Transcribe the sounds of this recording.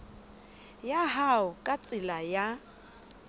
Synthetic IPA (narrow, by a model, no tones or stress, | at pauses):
jaɦaʊkʼat͡sʼɪlaja